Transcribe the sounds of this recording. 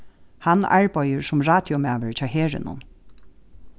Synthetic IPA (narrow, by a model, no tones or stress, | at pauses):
hanːa̰ɹpɔjəɹsʊmɹaːt̪jɔmæːʋəɹt͡ɕʰaːɦeːɹɪ̰nʊ̰n